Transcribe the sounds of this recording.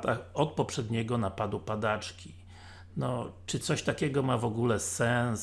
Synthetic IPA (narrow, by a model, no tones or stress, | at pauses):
t̪axɔt̪̚pɔpʂɛd̪ɲɛɡɔnapad̪upad̪at͡ʂkʲi | nɔt͡ʂɘt̪sɔɕt̪akʲɛɡɔmavɔɡulɛsɛns